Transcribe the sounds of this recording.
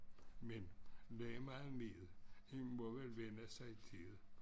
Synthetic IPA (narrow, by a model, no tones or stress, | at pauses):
mendemɑð̩ˠnḭːð̩ˠenmɔʋelʋenəsɑ̈ɪit͡sʰiðˠ